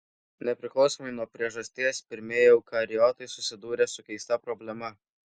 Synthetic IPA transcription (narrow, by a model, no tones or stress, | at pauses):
nʲɛpʲɾʲɪklˠɒʊsoːmɐɪnuɔpʲɾʲiɛʒɐsʲt̪ʲiɛspʲɪɾʲmʲejɛʊkɐɾʲɪjɔt̪ɐɪsʊsʲɪd̪uːɾʲɛːsʊkʲɛɪst̪ɐpɾɔbʲlʲɛmɐ